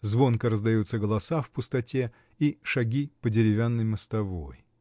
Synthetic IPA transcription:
zvo̞nkəɾəzd̪ɐjut̪səɡəlˠɐsafpʊst̪ɐtʲe | iʂɐɡʲipədʲɪɾʲɪvʲanːəjməst̪ɐvo̞̰j

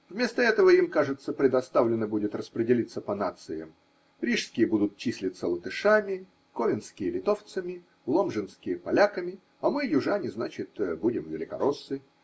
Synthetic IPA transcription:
vmʲe̞st̪əɛt̪əvəimkaʐɨt̪səpɾʲɪd̪ɐst̪avlʲɪnːəbudʲɪt̪rəspɾʲɪdʲɪlʲit̪səpɐnat̪sɨjə̰m | ɾʲiʂskʲɪjəbud̪ʊt̪̚t͡ɕisʲlʲɪt̪sːəlˠət̪ɨʂamʲɪ | kovʲɪnskʲɪjəlʲɪt̪o̞ft̪səmʲɪ | lˠomʐɨnskʲɪjəpɐlʲakəmʲɪ | ɐmɨjʊʐanʲɪznat͡ɕɪt̪budʲɪmvʲɪlʲɪkɐ̰ɾosːɨ

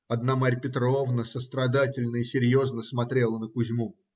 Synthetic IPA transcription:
ɐd̪namaɾʲpʲɪt̪ɾo̞vnəsəst̪ɾɐd̪atʲɪlʲnəisʲɪɾʲjo̞znəsmɐt̪ɾʲe̞lˠənəkʊzʲmu

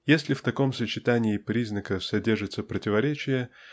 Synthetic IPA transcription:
jesʲlʲɪft̪ɐko̞msət͡ɕɪt̪anʲɪːpɾʲiznəkəfsɐdʲe̞rʐɨt̪səpɾətʲɪvɐɾʲet͡ɕɪjə

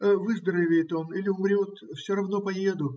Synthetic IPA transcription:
əvɨzd̪ɾəvʲɪjɪt̪o̞nilʲɪʊmɾʲot̪fsʲoɾɐvno̞pɐjed̪ʊ

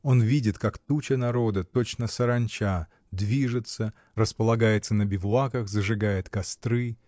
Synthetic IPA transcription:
o̞nvʲidʲɪt̪kakt̪ut͡ɕənɐɾo̞d̪ət̪o̞t͡ɕnəsəɾɐnʲt͡ɕa | d̪vʲiʐɨt̪sə | rəspəlˠɐɡajɪt̪sənəbʲɪvlˠakəxzəʐɨɡajɪt̪kɐst̪ɾɨ

